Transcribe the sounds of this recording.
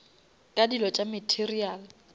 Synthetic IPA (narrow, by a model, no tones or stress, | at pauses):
kʼadilɔt͡ʃʼamɛtʰeriaːl